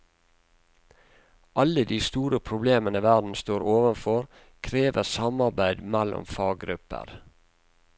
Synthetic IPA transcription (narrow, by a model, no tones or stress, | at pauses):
ʔɑləd̪iːst̪uːɾəpʰɾʊbleːmənəʋæɖn̩st̪oːɾoːʋənfɔɾ | kʰɾeːʋəsɑmɑɾbæɪd̪mælɔ̰mfɑːɡɡɾʉpə̰ɾ